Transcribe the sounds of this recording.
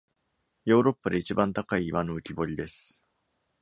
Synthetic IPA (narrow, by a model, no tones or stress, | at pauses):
jo̞ːɾo̞pːad̪e̞it͡ɕibãnt̪akaiːβano̞ɯ̟kʲibo̞ɾʲid̪e̞sɨ̥